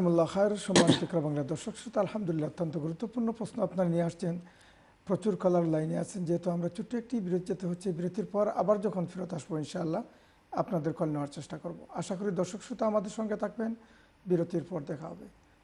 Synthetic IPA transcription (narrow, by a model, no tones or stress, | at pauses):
mulːaxajɾeʃɔmːankikɾabaŋlad̪ɔɾʃokʃɾut̪aalhamd̪ulilːaot̪ːant̪oɡuɾut̪ːopuɾnopɾosnoapnaɾnieaʃt͡ɕʰen | pɾot͡ɕuɾkɔlaɾlajneat͡ɕʰend͡ʑeɦet̪oamɾat͡ɕuʈːoek̚ʈibiɾot̪d͡ʑet̪eɦotːɕʰibiɾot̪iɾpɔɾa̰baɾd͡ʑɔkʰonfiɾot̪aʃboinʃaalːa | apnad̪eɾkɔlneaɾt͡ɕeʃʈakoɾbo̰aʃakoɾid̪ɔɾʃokʃɾut̪aamad̪eɾʃɔŋɡet̪ʰak̚ben | biɾot̪iɾpɔɾd̪ɛkʰaɦɔ̰be